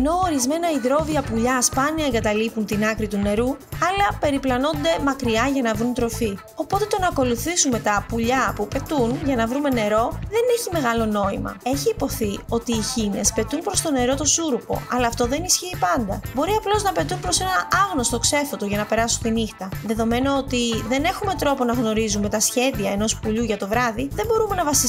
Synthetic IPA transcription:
eno̞oɾizme̞nɐiðɾo̞viɐpuʎɐspɐniɐeŋɡɐt̪ɐlipunt̪inɐkɾit̪une̞ɾuɐlɐpe̞ɾiplɐno̞nd̪e̞mɐkɾiɐʝɐnɐvɾunt̪ɾo̞fi | o̞po̞t̪e̞t̪o̞nɐːko̞luθisunme̞t̪ɐpuʎɐpupe̞t̪unʝɐnɐvɾume̞ne̞ɾo̞ðe̞neçime̞ɣɐlo̞no̞imɐ̰e̞çiːpo̞θio̞t̪iːçine̞spe̞t̪unpɾo̞st̪o̞ne̞ɾo̞t̪o̞suɾupo̞̰ɐlɐːft̪o̞ðe̞nisçiːpɐnd̪ɐbo̞ɾiɐplo̞znɐpe̞t̪unpɾo̞se̞nɐɐɣno̞st̪o̞kse̞fot̪o̞ʝɐnɐpe̞ɾɐsunt̪inixt̪ɐðe̞ðo̞me̞no̞ot̪iðe̞ne̞xume̞t̪ɾo̞po̞nɐɣno̞ɾizume̞t̪ɐsçe̞ðiɐe̞no̞spuʎuʝɐt̪o̞vɾɐðiðe̞mbo̞ɾume̞nɐvɐsi

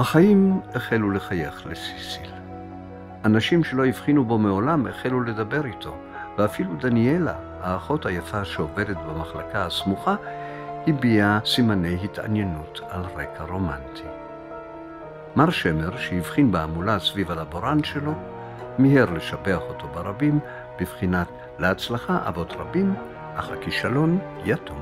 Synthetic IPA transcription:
haχaimeχeluleχajeχlesisil | ʔanaʃimʃelo̞jivχinubo̞meo̞lamḛχelule̞dabe̞ʁitʰo̞ | veafiludaniela̰ | aːχo̞tajafaʃeove̞detbamaχlakahasmuχa | hibiasimane̞jhita̰njenutalʁekʰaʁo̞mantʰi | maʁʃemeʁʃeivχinbeamulasvivalaboɾanʃelo̞ | mihiʁleʃabe̞aχo̞to̞baʁabim | b̥ivχinat | leat͡slaχaʔa̰vo̞tʁabim | ʔaχakiʃalo̞n | jatʰum

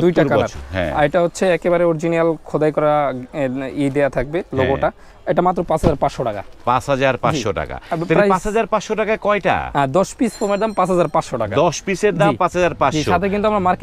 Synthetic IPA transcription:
d̪ujʈakaaɾɦɛ̰̃a̰eʈaɦotːɕʰeɛkebaɾeɔɾd͡ʑinialkʰɔd̪ajkɔɾa | id̪ejat̪ʰak̚beloɡoʈa | eʈamat̪ːɾopãt͡ɕʰɦad͡ʑaɾpaʃoʈaka̰pasɦad͡ʑaɾpad͡ʑiʃoʈa̰ka̰eɾajpasɦad͡ʑaɾpaʃoʈakakɔjʈa̰ɦɛ̃d̪ɔʃpisfomeɾd̪ampat͡ɕʰɦad͡ʑaɾpaʃoʈaka̰d̪ɔʃpiseɾd̪ampãsɦad͡ʑaɾpad͡ʑiʃʃat̪ʰekint̪uamɾaɾmaɾke

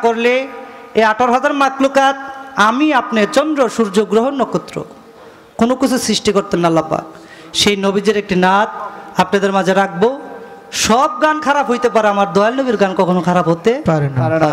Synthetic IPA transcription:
koɾle | eaʈaɾɦad͡ʑaɾmaklokat̪̚amiapneɾt͡ɕɔnd̪ɾoʃuɾd͡ʑoɡːɾoɦonːokːot̪ːɾo̰ | konokit͡ɕʰusɾiʃʈikoɾt̪enːaalːapa̰k̚ | ʃejnobid͡ʑeɾek̚ʈinat̪̚apnad̪eɾmad͡ʑʱeɾak̚bo | ʃɔb̚ɡankʰaɾapɦojt̪epaɾeamaɾd̪ɔjalnobiɾɡankɔkʰonokʰaɾapɦot̪epaɾenaɾa

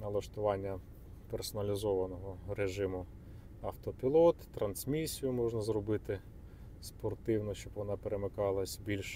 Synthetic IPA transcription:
nɐlˠɐʃt̪ʊʋɑnʲːɐ | persɔnɐlʲizɔʋɐnɔɦɔɾeʒɪmʊ | ɐft̪ɔpʲilˠɔt̪ːɾɐnsmʲisʲijʊmɔʒnɐzrɔbɪt̪ɪ | spɔrt̪ɪwnɔt͡ʃɔbʋɔnɑpeɾemɪkɑlˠɐsʲbʲilʲʃ

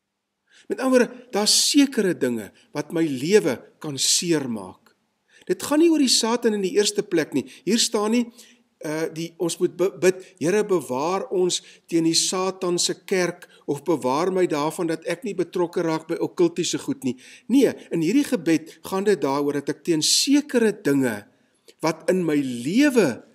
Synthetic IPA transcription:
mɛtɐnmuəɾdəd̥ɑːssiəkəɾədəŋə̰ | vɐtməjliəvəkɐnsiərmɑ̰ːk | d̥ətχɐniuərdisɑːtɐnəndiʔiərstəplækniɦiːrstɑːni | ədiɔnsmut̚bəbətɦjəɾəbəvɑːrɔnstiəndisɑːtɐnsəkærk | ɔfbəvɑːrməjdɑːrfɐndɐtæknibətrɔkəɾɑːk̚bəjɐkəlˠtisəχutniniəənɦiɾiχəbɛtχɑndət̚dɑːruərdɐtɛk̚tiənsiəkəɾədəŋə̰ | vɐtənməjliəvə

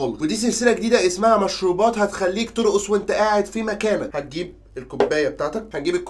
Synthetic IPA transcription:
olwed̪iːs̬elselæɡed̪iːd̪æʔesmaʕæmæʃɾuːbɑːt̪hæt̪exælːiːkt̪oɾoʔesˤwʔent̪æʔaːʕed̪fimækæːnæhæt̪̚ɡiːb̚ | elkobːæːjːæbet̪aːʕt̪æk̚hænɡiːbekː

